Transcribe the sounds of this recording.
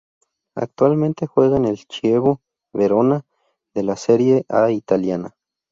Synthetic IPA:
a̰k̚t̪walment̪exweɣanelt͡ʃieβo | βeɾona | ðelaseɾjeʔait̪aljana

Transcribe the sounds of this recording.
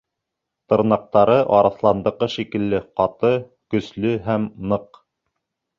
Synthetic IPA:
t̪ɤ̆ɾnɑq̚t̪ɑɾɤʔɑɾɑθlˠɑnd̪ɤ̆qɤʃikɘ̆lːɘqɑt̪ɤ | kɵ̆slɵɦæmnɤq

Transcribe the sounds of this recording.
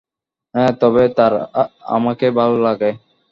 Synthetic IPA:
ɦɛ̃t̪ɔβet̪aɾa̰makebʱalolaɡe

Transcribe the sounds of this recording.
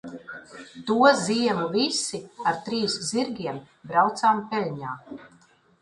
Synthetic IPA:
t̪uɔziɛmuvisiaɾt̪ɾiːsziɾɡʲiɛm | bɾawt̪saːmpɛlʲɲaː

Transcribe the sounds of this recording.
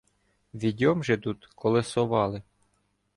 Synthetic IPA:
ʋʲidʲɔmʒɛt̪ut̪kɔlˠesɔʋɑlˠɪ

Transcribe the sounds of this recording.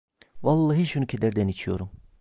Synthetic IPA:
vɑlˠːɑɦiʃunucʰed̪æɾd̪ænit͡ʃʰijo̰ɾum

